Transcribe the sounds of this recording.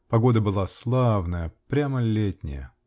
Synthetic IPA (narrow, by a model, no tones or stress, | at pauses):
pɐɡo̞d̪əbɨlˠaslˠavnəjəpɾʲaməlʲetʲnʲɪ̰jə̰